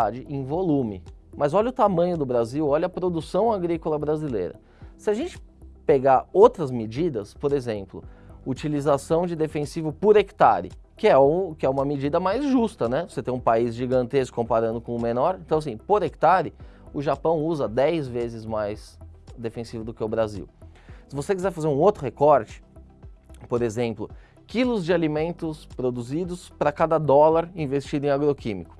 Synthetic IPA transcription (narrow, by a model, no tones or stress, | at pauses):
ad͡ʒɪʔẽj̃volũmɪmɐzɔʎɐʊt̪amɐ̃ɲʊd̪ʊbɾaziwɔʎɐpɾod̪usɐ̃w̃aɡɾikolɐbɾazilḛjɾɐ̰ | sɪaʒẽnt͡ʃɪ̥peɡaowt̪ɾɐzmɪd͡ʒid̪ɐspoɾezẽmplʊut͡ʃilizasɐ̃w̃d͡ʒɪd̪efẽsivʊpoɾekt̪a̰ɾɪ̰kɪɛkɪɛũmɐmed͡ʒid̪ɐmajzʒust̪ɐnɛvoset̪ẽj̃ũpaizʒiɡɐ̃nt̪eskʊ̥kõpaɾɐ̃nd̪ʊkõʊmenɔɾẽnt̪ɐ̃w̃as̬ĩpoɾekt̪aɾɪ | ʊʒapɐ̃w̃uzɐd̪ɛjzvezɪzmajsd̪efẽsivʊd̪ʊkɛʊbɾazḭw | sɪvosekizɛɾfazeɾũot̪ɾʊhekɔɾt͡ʃɪ̥ | poɾezẽmplʊ | kilʊzd͡ʒɪalimẽnt̪ʊspɾod̪uzid̪ʊspɾɐkad̪ɐd̪ɔlaɾĩvest͡ʃid̪ʊẽaɡɾokĩmikʊ̥